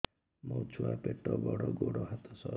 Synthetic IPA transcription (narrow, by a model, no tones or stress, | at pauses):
mɔt͡ʃʰuapeʈːɔbɔɽɔɡoɽɔɦat̪ɔsɔ